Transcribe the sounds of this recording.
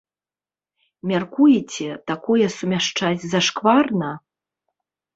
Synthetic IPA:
mʲarkujɛt͡sʲɛt̪akɔjɛsumʲaʂt͡ʂad͡zʲzɐʂkvarnɐ

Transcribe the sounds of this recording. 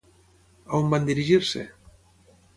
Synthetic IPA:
aumband̪iɾiʒiɾsḛ

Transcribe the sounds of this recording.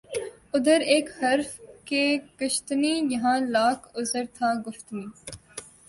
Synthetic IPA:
ʊd̪əɾeːkhɐɾfkeːkəʃt̪niːjɐɦãːlaːkʊzəɾt̪ʰaːɡʊft̪niː

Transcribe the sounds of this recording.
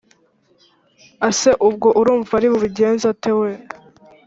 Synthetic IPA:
ase̞ʔub̚ɡo̞ʔuɾuːɱvaɾiβuβiɟe̞ːnzatewe

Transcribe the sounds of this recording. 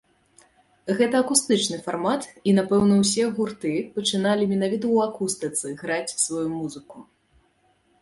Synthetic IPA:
ɣɛt̪ɐːkust̪ɨt͡ʂnɨfarmat̪inapɛwnɐwsʲɛɣurt̪ɨpɐt͡ʂɨnalʲimʲinavʲit̪̬ɐwakust̪ɨt̪sɨɣɾat͡sʲsvajumuzɨku

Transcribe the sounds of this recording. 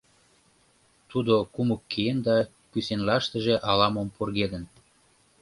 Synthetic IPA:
t̪ud̪okuməkːeend̪ɑ | kysenlɑʃt̪ə̆ʒĕʔɑlɑmomporɣed̪ə̆n

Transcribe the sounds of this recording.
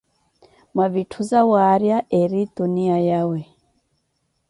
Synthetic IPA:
mwaβitʰuzawaɾjaʔɛɾituniajawɛ

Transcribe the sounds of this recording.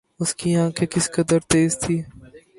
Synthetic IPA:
ʊskiːãːkʰekɪskəd̪əɾt̪eːzt̪ʰiː

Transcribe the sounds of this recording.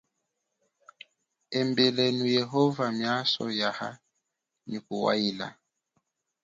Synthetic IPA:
ɛmbɛlɛnujɛɦɔvamjasɔ̰jaha | nikuwa̰ila̰

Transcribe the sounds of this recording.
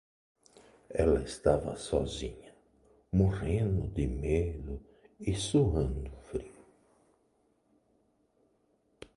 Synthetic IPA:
ɛlɐɪst̪avɐ̰sɔ̰zḭ̃ɲɐ | moʁẽnd̪ʊd̪ɪmelʊ | ɪsoɦɐ̃nd̪ʊfɾiʊ

